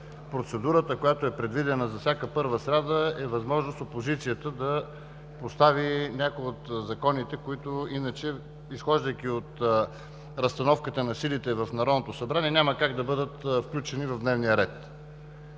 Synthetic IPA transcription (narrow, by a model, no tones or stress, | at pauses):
pɾot̪sɛd̪uɾət̪əkojat̪oɛpɾɛd̪vid̪ɛnəzɐfsʲakəpɤɾvəsɾʲad̪əɛvɐzmɔʒnost̪opozit̪sijət̪əd̪ɐ | post̪avinʲakojot̪zɐkɔnit̪ɛkoit̪oinət͡ʃɛ | isxɔʒd̪əjk̟iot̪ | ɾɐst̪ɐnɔfkət̪ənɐsilit̪ɛvɐfnɐɾɔd̪not̪osɐbɾaniɛnʲaməkaɡd̪ɐbɤd̪ət̪fklʲut͡ʃɛnivɐvd̪nɛvnijəɾɛt̪